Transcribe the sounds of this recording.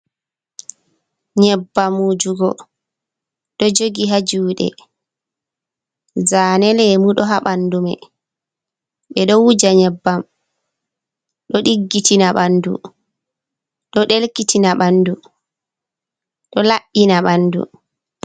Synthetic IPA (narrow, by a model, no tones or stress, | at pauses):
ɲɛbːamːud͡ʒuɡɔ | ɗɔd͡ʒoɡiɦad͡ʒuːɗɛ̰ | zaːnɛlɛmuɗɔɦaɓandumɛ̰ | ɓɛɗɔwud͡ʒaɲɛbːam | ɗɔɗiɡːitinaɓandṵ | ɗɔɗelkitʰinaɓandu | ɗɔlaʔːinaɓanːdṵ